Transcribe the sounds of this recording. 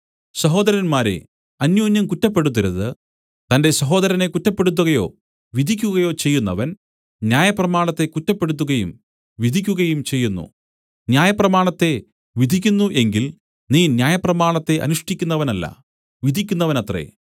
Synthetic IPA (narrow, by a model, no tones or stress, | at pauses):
sɐɦo̞ːd̪ɐɾɐnmaːɾḛ | ɐnjoːnjɐmkutːɐpːe̞ɽut̪̬ːɐɾɐðɨ | t̪ɐnde̞sɐɦo̞ːd̪ɐɾɐne̞kutːɐpːe̞ɽut̪̬ːuɣɐjo̞̰ː | ʋid̪ʱikʲːuɣɐjo̞ːt͡ɕe̞jːunːɐʋɐn | njaːjɐprɐmaːɳɐt̪ːe̞kutːɐpːe̞ɽut̪̬ːuɣɐjum | ʋid̪ʱikʲːuɣɐjumt͡ɕe̞jːunːṵ | njaːjɐprɐmaːɳɐt̪ːe̞ | ʋid̪ʱikʲːunːuʔe̞ŋɡil | niːnjaːjɐprɐmaːɳɐt̪ːe̞ʔɐ̰nuʂʈikʲːunːɐʋɐnɐlːɐ̰ | ʋid̪ʱikʲːunːɐʋɐnɐt̪rḛ